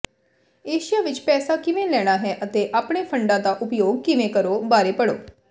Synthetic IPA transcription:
eːʃɪjaːʋɪt͡ʃpɛːsaːkɪʋẽːlɛːɽ̃aːɦɛːʔət̪eːʔaːpɽeːpʰəɳɖãːd̪aːʔʊpjoːɡ̚kɪʋẽːkəɾoːbaːɾeːpəɽoː

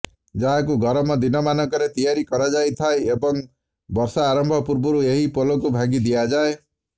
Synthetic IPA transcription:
d͡ʒaɦakuɡɔɾɔmɔd̪inɔmanɔŋkɔɾet̪ijaɾikɔɾad͡ʒajt̪ʰaeebɔŋ | bɔɾsaːɾɔmbʱɔpuɾbɔɾueɦipolɔkubʱaɡid̪ijad͡ʒae

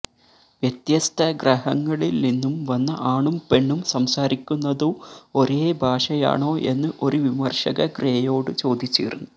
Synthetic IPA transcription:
ʋjɐt̪jɐst̪ʰɐɡɾɐhɐŋːɐɭilninːumʋɐnːɐʔaːɳumpe̞ɳːumsɐmsaːɾikʲːunːɐðuo̞ɾeːbʱaːʂɐja̰ːɳo̞ːʔe̞̰nːɨʔo̞ɾuʋimɐrʂɐɣɐɡreːjo̞ːɽɨt͡ɕo̞ːd̪ʱit͡ɕːḭːɾunːu

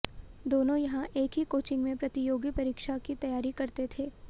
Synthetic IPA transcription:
d̪oːnõjɐɦãʔeːkɦikoːt͡ʃɪ̃ŋɡmẽpɾɐt̪ijoːɡjipɐɾiːkʃakit̪ɐjaːɾikɐɾt̪et̪ʰeː

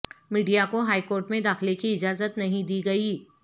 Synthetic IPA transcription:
miːɖijakoɦaːikoːɾʈmẽd̪aːxlekiɪd͡ʒaːzət̪nɐɦĩd̪iːɡɐiː

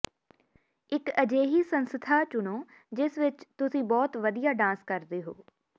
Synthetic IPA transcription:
ɪkəd͡ʒeːɦiːsənst̪ʰaːt͡ʃʊnoː | d͡ʒɪsʋɪt͡ʃt̪ʊsĩːbɔːt̪ʋəd̪ijaːɖãːskəɾd̪eːɦoː

